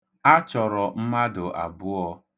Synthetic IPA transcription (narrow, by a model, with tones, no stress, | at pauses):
a˦t͡ʃɔ˨ɾɔ˨m̩˦ma˦dʊ˨ʔa̰˨bʊ˦ɔ˦